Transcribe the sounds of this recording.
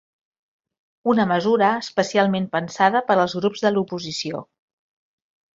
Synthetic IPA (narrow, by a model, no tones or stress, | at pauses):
unəməzuɾəːspəsialˠmempənsaðəpəɾəlˠzɣɾupzðəlupuzisio̰